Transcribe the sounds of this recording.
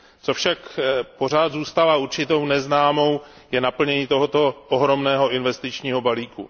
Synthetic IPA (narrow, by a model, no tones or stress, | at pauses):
t͡sofʃakpo̞r̝aːd̪zuːst̪avauɾt͡ʃɪt̪o̞wnɛznaːmo̞w | jɛnapl̩ɲɛɲiːt̪o̞ɦot̪oʔoɦɾo̞mnɛːɦo̞ɪnvɛst̪ɪt͡ʃɲiːɦo̞baliːkṵ